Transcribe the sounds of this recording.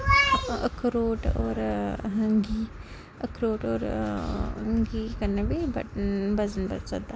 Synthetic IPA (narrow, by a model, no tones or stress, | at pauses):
əkʰɾoːʈo̰ːɾɦəŋɡi | əkʰɾoːʈo̰ːɾ | ŋɡikɐɾnɐbibɐ̰bɐzənbɐɾt͡sɐd̪a